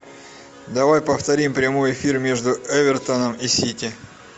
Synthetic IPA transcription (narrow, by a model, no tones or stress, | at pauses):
d̪ɐvajpəft̪ɐɾʲimpɾʲɪmojɪfʲirmʲe̞ʐd̪ʊɛvʲɪrt̪ənəmɪsʲitʲɪ